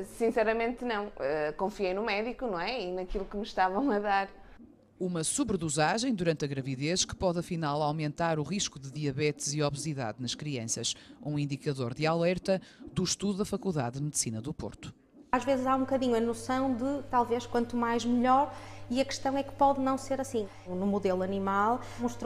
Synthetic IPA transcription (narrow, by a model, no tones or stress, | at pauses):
sĩsɛɾɐmẽnt̪nɐ̃w̃ɛkõfiejnumɛðikunɐ̃w̃ɛinɐkilˠukɨmɨʃt̪avɐ̃w̃ɐðaɾ | umɐsuβɾðuzaʒɐ̃j̃d̪uɾɐ̃nt̪ɐɣɾɐviðeʃkɨ̥pɔðɐfinalˠawmẽnt̪aɾuʁiʃkuðɨðiɐβɛt̪ziɔβɨziða̰ðnɐʃkɾiɐ̃sɐʃṵ̃ĩnd̪ikɐðoɾðɨalˠɛɾt̪ɐðuʃt̪uðuðɐfɐkulˠða̰ððmɨðsinɐðupo̰ɾt̪u̥ | aʒvezɨzaũbukɐðiɲuɐnusɐ̃w̃d̪ɨt̪alˠveʃkwɐ̃nt̪umajʒmɨʎɔɾiɐkɨ̥ʃt̪ɐ̃w̃ɛkɨ̥pɔðnɐ̃w̃seɾɐsĩ | numuðelˠuɐnimalˠmuʃt̪ɾ